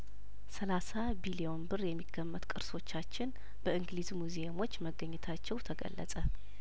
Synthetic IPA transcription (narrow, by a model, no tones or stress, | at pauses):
səlasa | bilijo̞nbɨrjɛmːiɡ̥ːəmːət̪kʼɨɾso̞t͡ʃːat͡ʃːɪn | b̥əɨŋɡlizmuzeəmo̞t͡ʃːməɡːəɲːɛt̪ʰat͡ʃːɛwt̪ʰəɡə̰lːə̰sʼə